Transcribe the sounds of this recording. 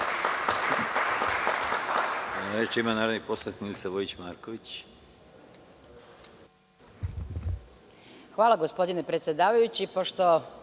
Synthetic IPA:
ɾet͡ʃimanaːɾad̪niposakmilt̪saʋoit͡ɕmaːɾkoʋit͡ɕ | xʋaːlˠaɡo̞spo̞d̪inepɾet̪sjed̪aːʋajut͡ɕipoʃt̪o̞

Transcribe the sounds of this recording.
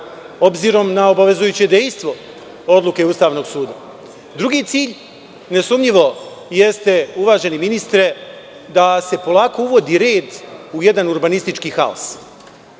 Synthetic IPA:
o̞bziːɾo̞mnao̞baʋe̞zujuːt͡ɕed̪e̞jst̪ʋo̞ | o̞d̪lˠuke̞ust̪aːʋno̞ɡsuːd̪a | d̪ɾuɡit̪siːʎ | ne̞sumʎiʋo̞ | je̞st̪e̞uʋaːʒe̞niminist̪ɾe̞ | d̪ase̞po̞lˠaːko̞uʋo̞d̪iːɾe̞ːd̪uje̞d̪anuɾbanist̪it͡ʃkiːxa̰ls

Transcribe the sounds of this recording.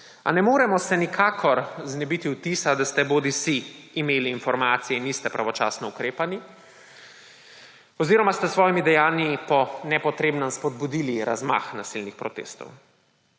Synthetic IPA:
a̰nɛmoːɾɛmɔsɛnikʰaːkʰɔɾznɛbit̪iuwt̪isad̪ast̪ɛboːd̪isiːmeːliːnfɔɾmaːt̪sijɛinːiːst̪ɛpɾaʋɔt͡ʃa̰ːsnɔukɾeːpani | ɔziːɾɔmast̪ɛsʋɔːjimid̪ɛjaːniipɔnɛpɔt̪ɾeːbnɐmspɔd̪bud̪iliɾa̰zma̰xnasilnixpɾɔt̪ḛːst̪ɔ̰w

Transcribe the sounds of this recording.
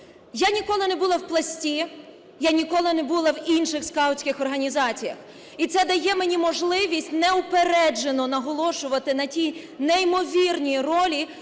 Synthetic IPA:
janʲikɔlˠɪnɛbulˠɐwplˠɐsʲtʲi | janʲikɔlˠɪnɛbulˠɐwinʃɪxskɑwt͡sʲkɪxɔrɦɐnʲizɑt͡sʲijɐ̰x | it̪sɛd̪ɐjɛmenʲimɔʒlˠɪʋʲisʲtʲnɛʊpeɾɛd͡ʒenɔnɐɦɔlˠɔʃʊʋɐt̪ɪnɐtʲineimɔʋʲirnʲijrɔlʲi

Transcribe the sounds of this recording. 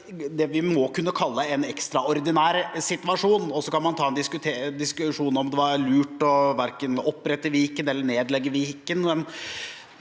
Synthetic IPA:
d̪ɛʋɪmɔkʰʉnːəkʰɑlːəɛnɛkst̪ɾɑɔɾd̪ɪnæːɾsɪt̪ʉʋɑʂuːnɔsːɔkʰɑnmɑnt̪ʰɑːɛnd̪ɪskʉt̪ʰːd̪ɪskʉʂuːnɔmd̪ɛʋɑɾɭʉːʈɔʋæɾkənɔpːɾɛt̪ːəʋiːkənɛlːəɳeːd̪lɛɡːəʋikənmɛn

